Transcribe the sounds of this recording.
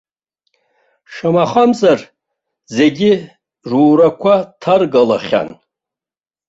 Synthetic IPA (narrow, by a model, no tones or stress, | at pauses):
ʂamaχamzar | ze̞ɡʲɪ | ʐuːɾakʷʰatʰarɡala̰χʲa̰n